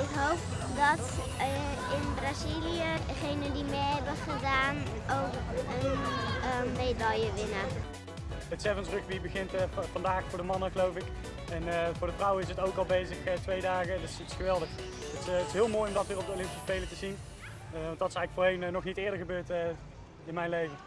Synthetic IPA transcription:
ɪkɦowp | dɔt | ɪnbraziliə | χejnəndimeɦɛbəχədaːnowkən | medajəʋɪnə | ətsɛvənsrɵxʋibəɣɪntfɑndaːxfʊːɹdəmɑnəɣəlowfɪk | ɛnvʊːɹdəvrʌwəɪs̬ətowkɑlˠbejzəxətʋejdaːɣədɪsətɪsxəʋɛlˠdəx | əttɪsɦɪːlˠmoːjɔmdɑtʋɪːrɔp̚dəolɪ̃mpisə̥spejlətəzin | ɑntdɑtɪsɛɣləkfoːɹɦejnnɔχnitɪːɹdəɹχəbøːɹt | ɪnmɛjnlejvə

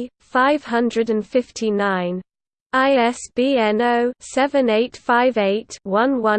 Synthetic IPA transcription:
faɪv̥hʌ̃ndɹədə̃nfɪftʰinãɪ̃n | aɪɛsb̥iːɛ̃noʊsɛvə̃neɪtfaɪveɪtwʌ̃nwʌ̃

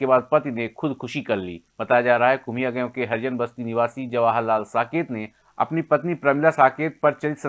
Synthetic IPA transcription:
kebaːd̪̚pɐt̪inekʰʊd̪kʰʊʃikɐɾlḭːbɐt̪aːjad͡ʒaːɾaɦaɦɛkʊm̤ijaɡɐjõkeɦɐɾd͡ʒənbɐst̪inɪʋaːsid͡ʒɐʋaːɦalaːlsaːkeːt̪ne | ɐ̰pnipɐt̪nipɾɐmɪlasaːkeːt̪̚pɐɾt͡ʃɐlɪt̪sə

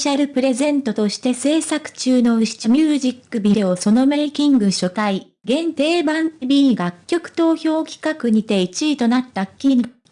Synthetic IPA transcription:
ɕaɾɯ̟pɯ̟ɾe̞zẽ̞nt̪o̞t̪o̞ɕi̥t̪e̞se̞ːsakɯ̟̥t͡ɕɨːno̞ɕi̥t͡ɕmʲɯːʑikːɯ̟bʲiɾe̞oso̞no̞mekʲĩŋɡɯ̟ɕo̞t̪ai | ɡẽ̞nt̪e̞ːbãnbʲiːɡakʲːo̞kɯ̟̥t̪o̞ːço̞ːkʲi̥kakɯ̟ɲ̟it̪e̞it͡ɕiit̪o̞nat̪ːakʲːin

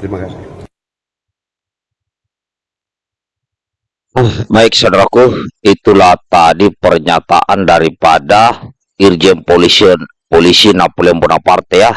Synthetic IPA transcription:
imakasi | maik̚sadaɾakuit̪ulat̪adipərɲat̪a̰ʔandaɾipada | ird͡ʒɛnpolis | polisinapolɛmpɔnapart̪ɛja

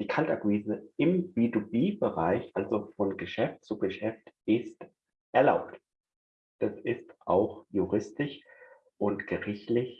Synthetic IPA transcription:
d̥iːkʰalta̰kwiːzəʔɪmb̥itubiːbəʁaɪçʔalzofɔnɡəʃɛftt͡suɡəʃɛftʔɪst | ʔɛɐlaʊpt | d̥asɪstʔa̰ʊxjuʁɪstɪʃ | ʔʊntɡ̥əʁɪçtlɪç

